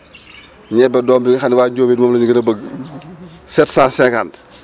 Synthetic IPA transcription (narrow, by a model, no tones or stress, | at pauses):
ɲɛbɛdɔːmbiɡɐxanwaːɟoːbiːtmoːmlɐɲiɡənɐbəɡ | sɛtsaːsɛkand